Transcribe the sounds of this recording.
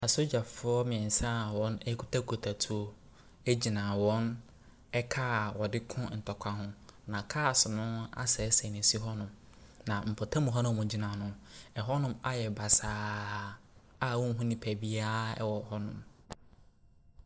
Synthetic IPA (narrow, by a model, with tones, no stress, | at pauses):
a˨so˦d͡ʑa˨fʊ˦ɔ˦mɪ̃˨ɛ̃˨n̩˨sã˦˨wɔ̃˦nɛ˦kʰu̥˦tʰa˦kʰo˨tʰa˨tʰu˨o˦ | ɛ˦d͡ʑi˨nã˨wɔ̃˦n | ɛ˦kʰa˦˨wɔ˨dɪ˦kʰʊ̃˦n̩˨tʰɔ˨kʷʰa˦ɦʊ̃˦nã˨kʰa˦˨sʊ˨nʊ̃˦a̰˦sɛ˨˦sɛ˨nɪ̃˨si˦ɦɔ˦nʊ̃˨m | nã˨m̩˨pʰɔ˨tʰã˦mũ˨ɦɔ˦nʊ̃˦mʊ̃˨d͡ʑi˨nã˨nʊ̃˦ɛ˨ɦɔ˦nʊ̃˦ma˨jɛ˨ba˨saː˨ | a˨wɔ̃˦ŋ˦ɦʊ̃˦nĩ˨pʰæ˨bi˦a˦ɛ̰˦wɔ˨hɔ˦nʊ̰̃˨m